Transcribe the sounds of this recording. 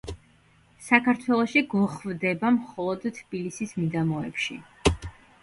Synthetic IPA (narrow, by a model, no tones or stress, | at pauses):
sakʰaɾt̪ʰwɛlˠɔʃiɡɔχvd̪ɛbamχɔlˠɔd̪t̪ʰːb̥ilisismid̪amɔɛpʃḭ